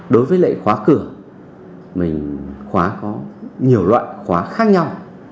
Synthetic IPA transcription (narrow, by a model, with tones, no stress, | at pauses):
ɗo˨˦jvəː˨˦jlə̰˧˨jxwaː˨˦kɨ˧˩ə | mï˨˩ŋ̟xwaː˨˦kɔ˨˦ɲi˨˩əwlwa̰ː˧˨jxwaː˨˦xaː˦˥k̚ɲa˧w